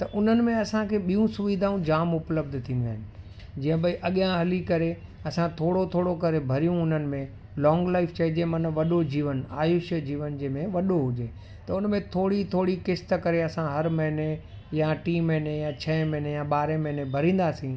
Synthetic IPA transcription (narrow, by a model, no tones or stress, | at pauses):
t̪ɐʔʊn̤ənɪ̆mẽɐsãkʰeːɓijũsʊʋid̪ʱaːũd͡ʑaːmʊpləb̚d̪ʱt̪ʰĩːnd̪aːɦɪnɪ̆ | d͡ʑĩːə̃bɐiʔɐɠjãɦɐlikɐɾe | ɐsãt̪ʰoːɽot̪ʰoːɽokɐɾebʱɐɾijũʊn̤ənɪ̆mẽ | lɔːŋɡlaːɪft͡ɕɐid͡ʑemɐnʋɐɗod͡ʑiːʋəna̰ːjʊʃəd͡ʑiːʋənd͡ʑeːmẽʋɐɗoɦʊd͡ʑeː | t̪ɐʊnmẽt̪ʰoːɽit̪ʰoːɽikɪst̪əkɐɾeɐsãɦɐɾmɐɦɪne | jaʈiːmɐɦɪnejãt͡ɕʰɐmɐ̃ɦɪnejãɓaːɾemɐɦɪnebʱɐɾĩːn̆d̪aːsĩ